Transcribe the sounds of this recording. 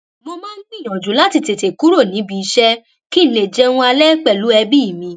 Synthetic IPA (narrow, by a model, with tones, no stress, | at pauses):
mo˧mãː˦n̩˦nĩ˦˨j̃ɔ̃˨d͡ʒu˨˦la˦ti˧te˨te˨ku˨˦ɾo˦˨nĩ˨˦bi˧i˧ʃɛ˦ | ki˦n̩˦˨le˨d͡ʒɛ˦˧ũ˧a˧lɛ˦k͡pɛ˦˨lu˨˦ɛ˧bi˦i˦˨mĩ˧